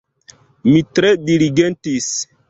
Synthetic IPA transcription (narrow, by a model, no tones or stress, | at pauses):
mitɾediliɡentis